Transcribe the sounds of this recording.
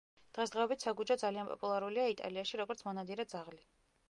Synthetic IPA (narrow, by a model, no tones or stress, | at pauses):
d̪̥ʁɛsd̪ʁɛɔbit̪ʰsaɡud͡ʒɔd̪zalianpʼɔ̰pʼulˠaɾuliait̪ʼa̰liaʃiɾɔɡɔɾt̪sʰmɔnad̪iɾad̪zaʁli